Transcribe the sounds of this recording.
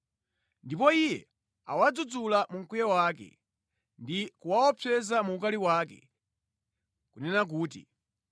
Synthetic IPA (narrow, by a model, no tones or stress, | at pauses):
ndipɔijɛ | a̰wad͡zud͡zulamuŋ̩kujawaːkɛ̰ | ndikuwaɔpʰɛzamuukaliwakɛ̰ | kunɛnak̬uːtḭ